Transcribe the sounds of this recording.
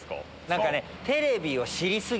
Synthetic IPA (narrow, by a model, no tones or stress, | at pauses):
ko̰ | nãŋkane̞ | t̪e̞ɾe̞bʲio̞ɕiɾʲisɨɡ